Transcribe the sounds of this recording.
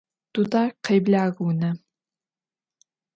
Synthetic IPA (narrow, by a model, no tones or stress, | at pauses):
d̥udaːqejbɮaːɣunɐ